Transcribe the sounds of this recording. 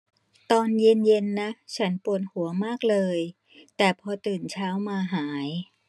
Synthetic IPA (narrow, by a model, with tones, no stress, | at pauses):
t̪ɔː˧nje˧nje˧nːa˦˥t͡ɕʰa˦˥npu˨˩ən̚hu˩˦ɐmaː˥˩k̚lɤː˧j | t̪ɛː˨˩pʰɔː˧t̪ɯː˨˩nt͡ɕʰaː˦˥wmaː˧ɦaː˩˦j